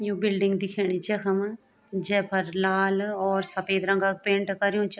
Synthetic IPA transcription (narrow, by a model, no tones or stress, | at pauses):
jõːbɪlɖɪŋɡd̪ikʰeːɽ̃it͡ʃəkʰəmə | d͡ʒɛːpʰəɾlaːlɔːɾsəpeːd̪ɾə̃ŋɡaːkpẽːɳʈkəɾijõːt͡ʃ